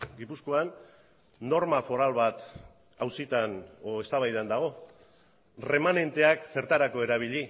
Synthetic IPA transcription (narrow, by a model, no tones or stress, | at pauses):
ɡipusko̞anː | o̞ɾmafo̞ɾalβat̪ | awsit̪anoe̞st̪aβajðand̪aɣ̞o̞ | re̞mane̞nt̪e̞akse̞ɾt̪aɾako̞e̞ɾaβ̞iʎi